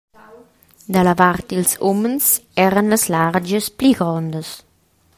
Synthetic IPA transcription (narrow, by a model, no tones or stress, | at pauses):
d̪əlavart̪ilsomənsɛɾənləslard͡ʒəspliɡɾɔnd̪əs